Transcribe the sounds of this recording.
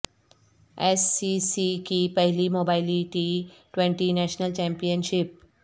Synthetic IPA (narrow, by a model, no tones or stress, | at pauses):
esːisikipəɦilimobajliʈiʈʋẽɳʈinæʃnəlt͡ɕɛ̃mpijənɕip̚